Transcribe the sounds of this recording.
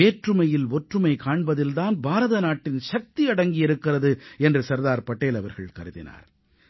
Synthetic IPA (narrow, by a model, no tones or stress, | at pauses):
eːʈrɯmɐjɪlɔʈrɯmɐɪkaːɳbɐðɪlt̪aːnbʱaːɾɐðɐnaːʈːɪnʃɐk̚t̪iɐɽɐŋɡɪjɪɾɯkːɪrɐðɯɛndrɯsɐɾðaːɾpɐʈːeːlɐʋɐɾɣɐ̰ɭkɐɾɯðɪ̰na̰ːɾ